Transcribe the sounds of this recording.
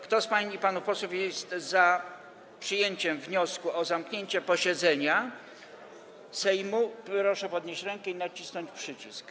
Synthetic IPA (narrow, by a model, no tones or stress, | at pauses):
kt̪ɔspaɲiipanufpɔswufʲjɛst̪za | pʂɨjeɲt͡ɕɛmvɲɔskuɔzamkɲeɲt͡ɕɛpɔɕɛd̪zɛɲa | sɛjmupɾɔʂɛpɔd̪ɲeɕt͡ɕɾɛŋkɛinat͡ɕisnɔɲt͡ɕpʂɘt͡ɕisk